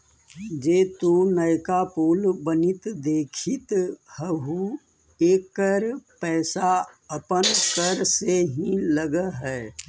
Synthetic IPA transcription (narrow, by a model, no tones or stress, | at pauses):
d͡ʒeːt̪unəɪkapoːlbənɪt̪d̪eːkʰɪt̪hɛɦu | eːkːəɾpɛːsaəpənkəɾseɦĩləɡəɦɛː